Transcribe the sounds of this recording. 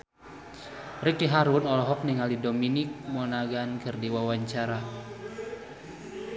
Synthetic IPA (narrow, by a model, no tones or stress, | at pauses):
rikiɦaɾunɔlɔɦɔk̚niŋalidominik̚mɔnaɡankʰɨrdiwawaɲt͡ʃaɾa